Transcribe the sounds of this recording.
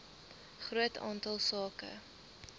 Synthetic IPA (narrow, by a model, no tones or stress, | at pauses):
χruətɑ̰ːntɐlˠsɑːkə̰